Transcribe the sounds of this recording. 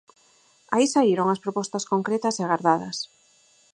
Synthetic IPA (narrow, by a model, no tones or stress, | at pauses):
aisaiɾoŋɐspɾopɔst̪ɐskoŋkɾet̪ɐseaɣaɾðaðɐ̰s